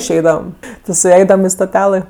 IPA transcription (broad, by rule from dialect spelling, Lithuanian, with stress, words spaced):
ɪʃʲˈɛɪdɐʋɐm ˈʋʲɪsʲ sʊˈɐɪdɐʋɐm ɪ stoːˈtʲæːlˠɘ